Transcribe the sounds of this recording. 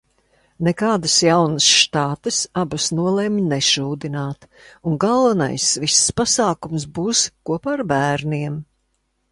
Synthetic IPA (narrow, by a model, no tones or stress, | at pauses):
nɛkaːd̪ɐsjawnəsʃt̪aːt̪ɨsabɐsnuɔlˠɛmʲnɛʃuːd̪inaːt̪ | uŋɡalˠvana̰jsvisːpasaːkumsbuːskuɔpaːɾbæːɾniɛm